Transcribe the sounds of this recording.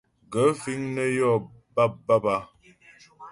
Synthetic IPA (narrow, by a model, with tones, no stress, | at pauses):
ɡə˨˦fi˦ŋnə˦jɔ˦˨ba˦p̚ba˦ba˦